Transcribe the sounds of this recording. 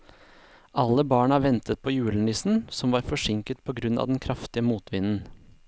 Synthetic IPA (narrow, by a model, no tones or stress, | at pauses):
ʔɑlːəbɑːɳɑːʋɛnt̪ət̪̚pʰoːjʉːlən̩ɪsn̩sɔmʋɑːɾfɔʂɪŋkət̪̚pʰɔːɡɾʉnɑ̰ʋd̪ɛnkʰɾɑft̪ɪəmuːt̪ʋɪnn̩